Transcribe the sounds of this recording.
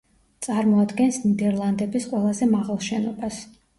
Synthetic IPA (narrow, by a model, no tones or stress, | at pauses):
t̪sʼaɾmɔad̪ɡɛnsnid̪ɛɾlˠand̪ɛbisqʼwɛlˠazɛmaʁalˠʃɛnɔbas